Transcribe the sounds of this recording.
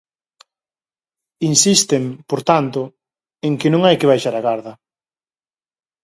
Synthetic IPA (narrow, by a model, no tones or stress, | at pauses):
insist̪empoɾt̪ant̪ʊ | eŋkɪnõŋajkɪβ̞ajʃaɾɐɣaɾðɐ